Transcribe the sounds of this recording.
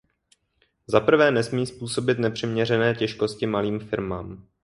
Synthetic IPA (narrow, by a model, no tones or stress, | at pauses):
zapr̩vɛːnɛsmiːspuːso̞bɪt̪nɛpr̝̥ɪmɲɛrɛnɛːcɛʃko̞scɪmaliːmfɪɾmaːm